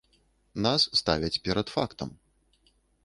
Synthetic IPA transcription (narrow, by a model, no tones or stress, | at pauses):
nasːt̪avʲɛt͡sʲpʲɛɾɐt̪fa̰kt̪ɐ̰m